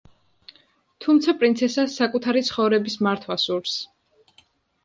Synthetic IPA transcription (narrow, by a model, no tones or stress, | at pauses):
t̪ʰumt̪sʰapʼɾinsʰɛsasːakʼut̪ʰaɾit̪sʰχɔvɾɛbismaɾt̪ʰwasuɾfs